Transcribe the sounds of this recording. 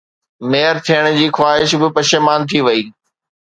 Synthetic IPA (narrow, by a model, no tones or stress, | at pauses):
meːəɾt̪ʰijəɽ̃d͡ʑiːxwaːɦɪʃbɪpɐʃeːmaːnt̪ʰiʋɐiː